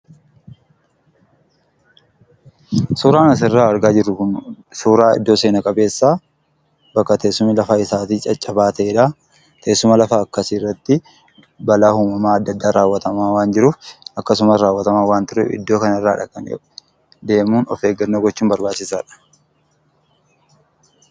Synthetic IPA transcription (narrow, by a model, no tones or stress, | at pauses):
suːɾaːnɐs̬ɪrːaːɐɾɡaːd͡ʒɪrːʊkʊn | suːɾaːɪ̰d̪ːo̞ːse̞ːnɐkʼɐbe̞ːsːaː | bɐkːɐt̪eːsːʊmɪlɐfaːɪsaːt̪iːt͡ʃʼɐt͡ʃʼːɐbaːt̪ɐeᶑaː | t̪ʰeːsːʊmɐlɐfaɐkːɐsirːɐt̪ːɪ | bɐlaːhuːmɐmaːɐd̪ːɐd̪ːaːɾaːwːɐt̪ɐmaːwaːnd͡ʒɪɾuːfɐkːɐs̬ʊmɐsɾaːwːɐt̪ɐmaːwaːnt̪ɪɾɛ̰ɪ̰d̪ːo̞ːkɐnrːaːᶑɐkɐ̰nʔɛ̰ʊ̥ | d̪e̞ːmuːnɔ̰fe̞ːɡɐnːɐɡɔt͡ʃːuːmbɐɾbaːt͡ʃːɪsaːᶑɐ̥